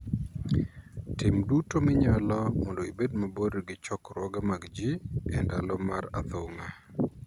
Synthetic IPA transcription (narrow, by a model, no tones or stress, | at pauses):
tɪmdutomɪɲalɔmɔndɔibedmaboɾɡɪt͡ʃɔkɾwɔɡamaɡd͡ʒiɛndalɔmaɾa̰t̪oŋa